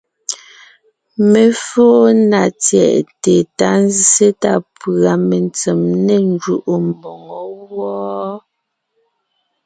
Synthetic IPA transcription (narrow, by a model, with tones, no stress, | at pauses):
me˨foː˦na˨t͡sjɛ̰˨ʔte˨ta˦n˦zi˦se˦ta˦pa˨me˨nt͡se˨mne˦˨n˦d͡ʒu˦˨ʔo˨m˨bɔ˨ŋɔ˨˦wɔː˦